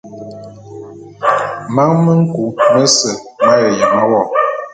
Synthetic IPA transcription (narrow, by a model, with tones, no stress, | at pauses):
ma˦ŋmə˦ŋ̩˦ku˨˦mə˦sə˨ | ma˦jə˨jə˨ma˦wɔ˦˨